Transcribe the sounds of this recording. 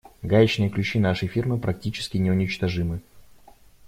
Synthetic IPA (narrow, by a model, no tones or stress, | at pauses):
ɡajʲɪt͡ɕnɨjəklʲʉt͡ɕinaʂəjfʲirmɨpɾɐk̚tʲit͡ɕɪ̥skʲɪnʲɪʊnʲɪt͡ɕt̪ɐʐɨmɨ